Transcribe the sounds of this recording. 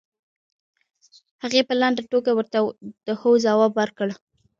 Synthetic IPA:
haɣepəland̪aʈokawəɾt̪ad̪̥əhəwzawɑbwaɾkəɽ

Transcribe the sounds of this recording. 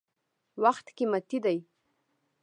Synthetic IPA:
waxt̪kemat̪id̪aj

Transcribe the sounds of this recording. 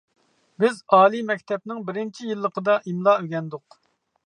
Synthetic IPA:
bɪzɑːlˠimɛk̚ʲt̪ʰɛp̚nɪŋbɪɾɪnt͡ʃʰijilˠːəqəd̪ɑʔimlˠɑːøɡʲɛnd̪ʊq

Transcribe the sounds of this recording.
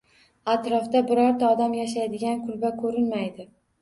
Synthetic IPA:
at̪ɾɒft̪abɪɾɒɾt̪ʰaɒd̪amjaʃ̬ajd̪ɪɡʲankʰʊlbakʰɵɾɪnmajd̪ɪ

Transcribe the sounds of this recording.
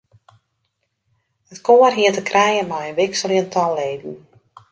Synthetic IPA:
ətkoərɦiətəkʰrɛjəmajənʋɪksəlˠjəntʰɔlleːdn̩

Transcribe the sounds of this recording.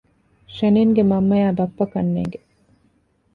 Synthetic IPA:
ʃeniːŋɡemɐmːɐjaːbɐfːɐkɐnːḛːŋɡe

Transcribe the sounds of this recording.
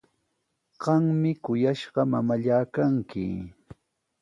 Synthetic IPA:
ɢ̥ɑŋmɪkʊjaʃɢɑmamaʎaːkaŋkɪ̰

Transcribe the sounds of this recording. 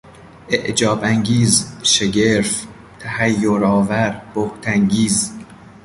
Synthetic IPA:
ʔeʔd͡ʒɒːbæŋɟiːzʃeɟeɾf | t̪ʰæhæjːoɾɒːvæɾb̥oht̪ʰæŋɟiːz

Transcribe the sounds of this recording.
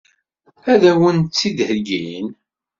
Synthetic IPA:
æðæwənt͡sːid̪həɡin

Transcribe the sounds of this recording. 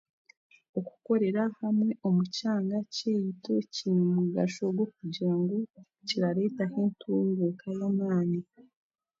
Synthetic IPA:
o̞ku̥ko̞ɾe̞ɾahamwe̞ʔomucaːŋɡaceːjitocinumuɡaʃoɡwokuɟaːŋɡu | ciɾaɾe̞taheːntʰuːŋɡekajamaːni

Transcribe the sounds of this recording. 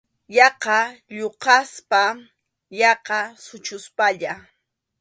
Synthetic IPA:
jɑqɑʎoqɑspa | jɑqɑsʊt͡ʃʊspaʎa

